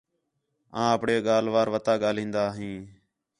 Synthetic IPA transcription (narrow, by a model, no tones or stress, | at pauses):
ãːəpɳeːɠaːlʋaːɾʋət̪aːɠaːlĩːnd̪aːɦĩː